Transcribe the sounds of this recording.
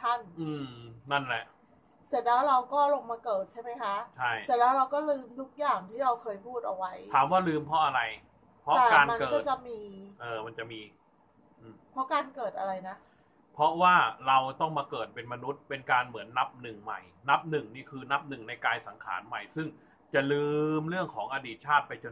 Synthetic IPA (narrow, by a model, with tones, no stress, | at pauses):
t̪ʰa˥˩nʔɯː˧˩na˥˩nlɛ˨˩ʔ | se˨˩t̪̚lɛː˦˥wɾa˧wkɔː˥˩lo˧ŋmaː˧kɤː˨˩t̪̚t͡ɕʰa˥˩jma˦˥jkʰa˦˥ʔt͡ɕʰa˥˩jst̪̚lɛː˦˥wɾa˧wkɔː˥˩lɯː˧mt̪ʰu˦˥k̚jaː˨˩ŋt̪ʰiː˥˩ɾa˧wkʰɤː˧jpʰuː˥˩t̪̚ʔa˧wa˦˥j̪ʰaː˩˦mwaː˥˩lɯː˧mpʰɾɔ˦˥ʔa˧ɾa˧j | pʰɾɔ˦˥ɛː˨˩kaː˧nma˧kɤː˨kɔ˥˩tt͡ɕa˨˩miː˧ʔɤː˧˩ma˧nt͡ɕa˨˩ʔmiː˧ | ʔɯː˧˩pʰɾɔ˦˥kaː˧nkɤː˨˩t̪̚ʔa˧ɾa˧jna˦˥ | pʰɾɔ˦˥waː˥˩ɾa˧wt̪ɔ˥˩ŋmaː˧kɤː˨˩t̪̚pe˧nma˧nu˦˥t̪̚pe˧nkaː˧nmɯ˩˦ənːa˦˥p̚nɯ˨˩ŋma̰˨˩jna˦˥p̚nɯ˨˩ŋniː˥˩kʰɯː˧na˦˥p̚nɯ˨˩ŋna˧jkaː˧jsa˩˦ŋkʰa̰ː˩˦nma˨˩jsɯ˥˩ŋ | t͡ɕa˨˩lɯː˧mɾɯ˥˩əŋkʰɔː˩˦ŋʔa˧diː˨˩t̪̚t͡ɕʰaː˥˩t̪̚pa˧jt͡ɕo˧n